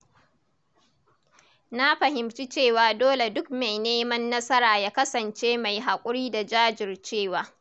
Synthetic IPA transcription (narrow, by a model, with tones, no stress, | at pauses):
na˦ɸɐ˨ɦɪ˨mt͡ʃi˦t͡ʃeː˦˨waː˨doː˦le˨dʊ˦k̚ma˨jneː˦mɐ˦nːɐ˦sɐ˦ɾaː˨jaː˦kɐ˦sɐ˨nt͡ʃeː˦ma˨jɦa˨kʷʼʊ˦ɽiː˦da˨d͡ʒaː˦d͡ʒɪ˨rt͡ʃeː˦˨waː˨˦